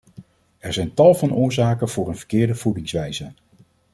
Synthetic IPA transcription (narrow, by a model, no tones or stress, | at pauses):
ɛɹzɛjntɑlˠvɑnʔʊːɹzaːkənv̥ʊːɹənvə̥ɹkɪːɹdəv̥udɪŋsʋɛjzə